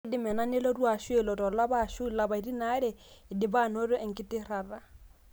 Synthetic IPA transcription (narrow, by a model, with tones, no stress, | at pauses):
dɪ˦mɛ˨na˦nɛ˦lɔ˦ru˦a˨ʃwɛ˨lɔ˨tɔ˨la˦ba˦˨ʃʊ˦la˨ba˨i˨di˦na˦ɾɛ˨dɪ˨ba˦˨no˦ɾɔ˦ŋ̩˨kʼɪ˦tʼɪ˦ɾa˨ra˦